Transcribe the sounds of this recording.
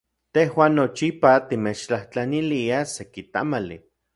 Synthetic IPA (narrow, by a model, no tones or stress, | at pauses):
t̪ehwaːnːot͡ʃipat̪imet͡ʃt͡ɬaht͡ɬaniliasekit̪a̰malḭ